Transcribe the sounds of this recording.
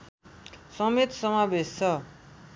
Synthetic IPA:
sʌmet̪sʌmabest͡sʰʌ

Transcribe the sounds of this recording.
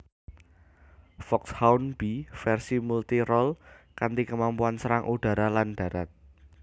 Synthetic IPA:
fɔkshawnb̥ifɛrsimult̪iɾɔlkant̪ikəmampuansəɾaŋʔuɖ̥a̤ɾalanɖ̥ä̤ɾat̪̚

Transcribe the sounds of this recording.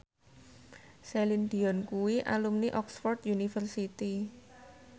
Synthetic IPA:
sɛlind̪i̤ɔnkuwiʔa̰lumniʔɔksfɔrt̪junifərsit̪i

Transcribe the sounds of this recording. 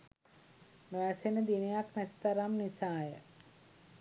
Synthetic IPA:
noʋæsenəd̪inejaknæt̪i̥t̪aɾamnisaːjə̰

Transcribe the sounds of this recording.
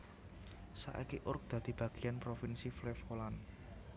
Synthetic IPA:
sa̰ʔḭkiʔʊrk̚d̪̥ä̤d̪̥i̤b̥ä̤ɡ̥i̤janpɾofinsiflɛfolan

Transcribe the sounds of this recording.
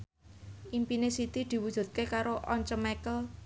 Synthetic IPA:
ʔimpinesit̪id̪̥i̤wud̥ʒ̥ṳt̪̚kekaɾoʔɔɲt͡ʃəmɛkəl

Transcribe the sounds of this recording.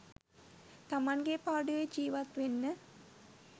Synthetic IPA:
t̪amɐnɡepaːɖujed͡ʒiːʋɐt̪ʋenːə

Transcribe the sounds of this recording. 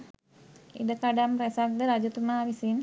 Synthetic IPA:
ḭdəkadampɾɛsak̚d̪əɾad͡ʒut̪umaɾisin

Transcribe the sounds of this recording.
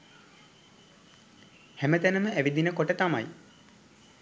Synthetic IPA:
hæmət̪ænəməæʋid̪inəkoʈət̪ama̰j

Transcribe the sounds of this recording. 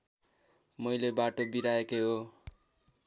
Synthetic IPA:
mʌjlebaʈobiɾaekeɦo

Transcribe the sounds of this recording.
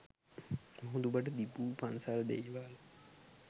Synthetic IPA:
moɦũd̪ubəʈ̬əd̪ipuːpansald̪ḛjʋaːl

